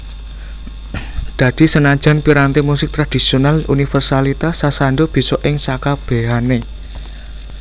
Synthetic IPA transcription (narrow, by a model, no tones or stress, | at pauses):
d̪̥a̤d̪̥i̤sənḁd͡ʒ̥a̤npiɾant̪emusɪk̚t̪ɾad̪̥i̤sionalunifɛrsalit̪asasaɳɖob̥i̤sɔʔɪŋsakab̥e̤ɦane